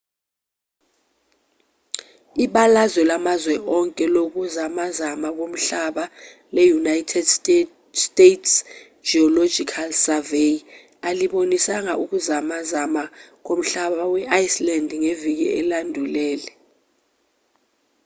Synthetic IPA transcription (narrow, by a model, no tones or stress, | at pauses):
iɓalazɛlamazwɛʔɔŋkʼɛlok̬uzamazamak̬om̩ɬaɓa | lɛjunajtʰɛds | stetʰs | d͡ʒiɔlod͡ʒʱikʰalsavej | aliɓonisaŋaʔuk̬uzamazamak̬om̩ɬaɓawɛʔajslandʱŋevik̬iɛlandʱulɛːlɛ